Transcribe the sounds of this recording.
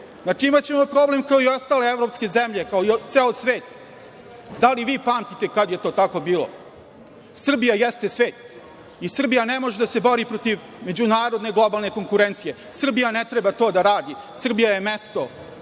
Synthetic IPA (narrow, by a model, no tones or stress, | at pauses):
nat͡ʂiimatt͡ɕe̞mopɾo̞ble̞mkaoiost̪aːle̞evɾo̞pske̞zemʎe̞kaoit̪seːlosʋeːt̪ | d̪aliʋiːpaːmt̪it̪ekad̪jet̪o̞ːt̪ako̞biːlˠo̰ | sr̩bijajest̪e̞sʋeːt̪ | isr̩bijanemo̞ʒed̪ase̞bo̞ɾipɾot̪iʋ | me̞d͡ʑunaːɾod̪ne̞ɡlˠo̞balˠne̞ko̞ŋkuɾent̪sije | sr̩bijanet̪ɾebat̪o̞ːd̪aɾaːd̪i | sr̩bijaje̞mest̪o̞